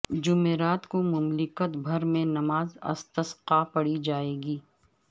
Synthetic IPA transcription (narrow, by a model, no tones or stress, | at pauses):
d͡ʒʊmeːɾaːt̪komʊmlɪkət̪bʱɐɾmẽnɐmaːzɐ̰st̪əsqapɐɽid͡ʒaːeːɡiː